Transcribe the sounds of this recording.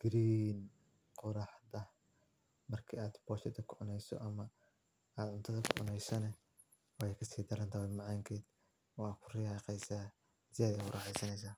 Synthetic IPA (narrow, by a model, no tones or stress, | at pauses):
ɡ̥ɾiːn | qʊɾɑħd̪ɐh | mɐrkʰiːaːd̪b̥ɔːʃɐd̪ɐkʰʊʕʊnɛjsɔ̰ʔɐmɐ | aːd̪ʕʊnt̪ʰɐðɐkʰʊʕʊ̰nɛjsɐnɛ | wɑɛjkʰɐsiːd̪ɐɾɐnt̪ʰawɛmɑʕɑːŋkʰɛːd̪ | ɔkʰʊrɪjɑqɛjsaː | sɪaːðɛʊrɑːħɛjsɐnɛjs̬aː